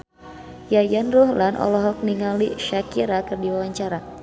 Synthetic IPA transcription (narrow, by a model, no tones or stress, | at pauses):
jajanruhlanʔɔ̰lɔɦɔk̚niŋaliʃakiɾakɨrdiwawaɲt͡ʃaɾa